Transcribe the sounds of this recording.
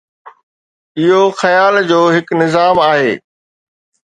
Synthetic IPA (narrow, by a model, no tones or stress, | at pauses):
ɪɦoxɐjaːld͡ʑoːɦɪknɪzaːmaːɦeː